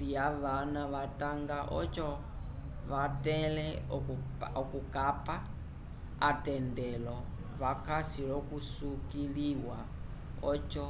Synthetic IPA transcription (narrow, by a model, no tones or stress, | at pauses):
tijaβanaβataŋɡaʔɔ̰t͡ʃɔ | βatɛlɛ | ɔkukapa | atɛndɛlɔ | βakasiɺɔkusukiɺiwa̰ | ɔt͡ʃɔ